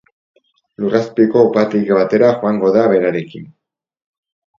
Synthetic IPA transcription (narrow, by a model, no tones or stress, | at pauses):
luraspiko̞upat̪ikβat̪e̞ɾaxuaŋɡo̞ðaβe̞ɾaɾe̞kin